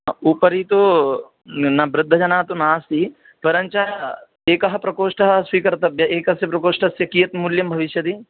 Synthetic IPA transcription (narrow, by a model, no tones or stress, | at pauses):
uːpɐɾiːt̪o | nɐbɾɪd̪ʱːɐd͡ʒɐnaːt̪onaːst̪iː | pɐɾɐ̃nt͡ʃa | eːkɐɦɐpɾɐkoːʂʈɐɦɐswikɐɾt̪ɐbjɐeːkɐsjɐpɾɐkoːʂʈɐsjɐkijɐt̪mʊljɐmbʱɐʋɪʃjɐd̪iː